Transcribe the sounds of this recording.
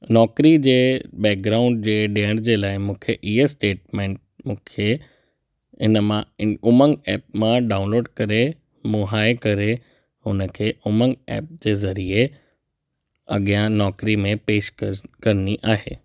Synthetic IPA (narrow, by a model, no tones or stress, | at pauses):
nɔːkɾid͡ʑeːbɛːk̚ɡɾaːʊ̃ɳɖ̚d͡ʑeːɗeːəɽ̃d͡ʑeːlaːɪmũːkʰeʔiɦesʈeːʈ̚mẽːɳʈ̚ | mũːkʰe | ɪnəmãʊməŋɡɛːp̚mãɖaːʊ̃nloːɖkɐɾe | mʊɦaːkɐɾe | hʊnəkʰeːʊməŋɡɛ̰ːp̚d͡ʑeːzɐɾie | ɐ̰ɠijãnɔːkɾimẽpeːʃkkɐɾniʔaːɦḛː